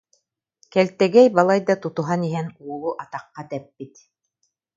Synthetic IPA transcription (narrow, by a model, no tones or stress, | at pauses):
kɛlt̪ɛɡɛjbɑlˠɑjd̪ɑt̪ut̪uɦaniɦɛnulˠuʔɑt̪ɑqːɑt̪ɛpːit̪